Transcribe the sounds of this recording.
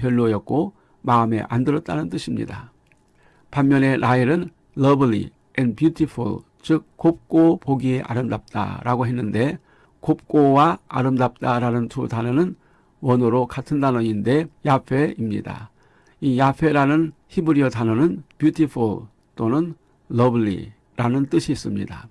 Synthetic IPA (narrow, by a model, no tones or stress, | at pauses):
jʌɭːojʌk̚k͈o | maɯme̞̰ʔandɯɾʌt̚t͈anɯnt͈ɯɕʰimɲḭda̰ | panmjʌne̞ɾʔaiɾɯn | lʌbɭḭ | ɛnbjutʰipʰṵɭ | t͡ɕɯk̚k͈ːop̚k͈opoɡieʔa̰ɾɯmdap̚t͈a̰ɾaɡoɦenːɯnde̞ | kop̚k͈owaaɾɯmdap̚t͈aɾanɯntʰutanʌnɯn | wʌnɯɾokʰatʰɯndanʌinde̞japʰe̞imɲḭda̰ | ijapʰe̞ɾanɯnçibuɾiʌtanʌnɯnpjutʰipʰṵɭ | t͈onɯnː | ʌblḭ | ɾanɯnt͈ɯɕʰiːs͈ɯmɲḭda̰